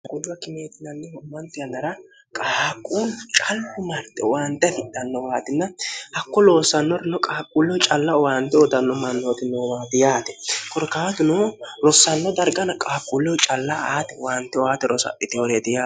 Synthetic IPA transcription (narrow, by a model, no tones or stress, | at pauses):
ɡɔd̪ʊwɐkɪmeːt̪ɪnɐnːɛhɔmːɐnt̪ɪjɐnɐɾɐ | kʼaːkʼuːlʊt͡ʃʼɐlːʊmɐɾt̪ːɛ̰waːnt̪ːɛfɪd̪ːɐnːɔwaːt̪ɪnːɐhɐkːɔloːsːɐnːɔɾɪnɔkʼaːkʼːuːlːɛwt͡ʃʼɐlːɐɔwaːnt̪ːɛɔd̪ɐnːɔmɐnːoːt̪ɪnoːwaːd̪ɪjaːt̪ɛ̥kɔɾkaːt̪ʊnoːɾɔsːɐnːɔd̪ɐɾɡɐnɐkʼaːkʼːulːɛwt͡ʃʼɐlːaaːt̪ɛwaːnt̪ːɛɔaːt̪ɛɾʔɔsɐ̰ʔʼɪt̪ɪɔɾed̪ɪjaː